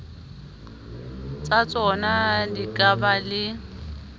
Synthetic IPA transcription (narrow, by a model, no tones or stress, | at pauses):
t͡sʼat͡sʼɔnadikʼabalɪ